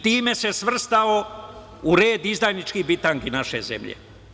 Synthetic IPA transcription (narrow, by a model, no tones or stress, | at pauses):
t̪iːme̞se̞sʋr̩st̪ao | uɾe̞ːd̪izd̪ajnit͡ʃkibit̪aŋɡinaʃḛzḛmʎḛ